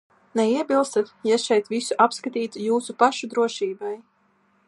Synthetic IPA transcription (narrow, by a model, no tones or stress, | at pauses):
nɛiɛbʲilˠst̪at̪ʲjɛʃɛjt̪visuʔapskat̪ʲiːt̪ujuːsupaʃud̪ɾuɔʃiːbaj